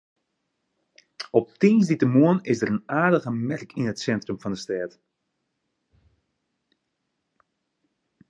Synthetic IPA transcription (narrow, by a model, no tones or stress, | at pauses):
ɔp̚tinsditəmuənɪsdərənaːɹdəɣəmɛrkʰɪnətsɛntrəmvɑndəstɛːt